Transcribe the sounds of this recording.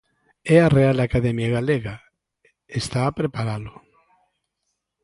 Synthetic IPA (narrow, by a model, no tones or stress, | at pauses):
ɛareald̪akaðemjaɣaleɣa | est̪aːpɾepaɾalʊ